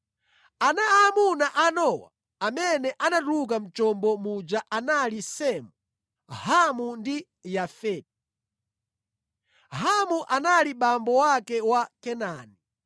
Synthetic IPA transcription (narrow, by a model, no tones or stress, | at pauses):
anaamunaʔanɔwa̰ | amɛnɛʔanatuk̬am̩t͡ʃɔmbɔmud͡ʒaʔanalisɛmu | hamundi | jafɛːt̚i | ɦamuʔanaliɓambɔwakɛwakɛnani